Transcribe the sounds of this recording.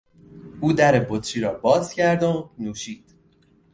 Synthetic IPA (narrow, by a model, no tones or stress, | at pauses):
ʔuːd̪æɾebot̪ʰɾiːɾɒːbɒːz̥cʰæɾd̪onuːʃiːd̪̥